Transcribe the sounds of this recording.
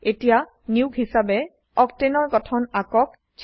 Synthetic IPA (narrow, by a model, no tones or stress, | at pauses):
etija | niuɡɦisabɛ | ɔktenɔɹɡɔtʰɔnakɔk | t͡ʃ